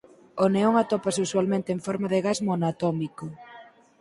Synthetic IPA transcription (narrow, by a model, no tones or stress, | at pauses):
oneoŋat̪opaseuswalmẽnt̪eɱfɔɾmaðeɣazmonat̪ɔmiko